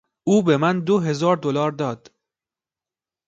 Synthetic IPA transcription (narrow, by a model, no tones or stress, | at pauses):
ʔuːbe̞mænd̪oɦe̞zɒːɾd̪olɒːɾd̪ɒːd̪̥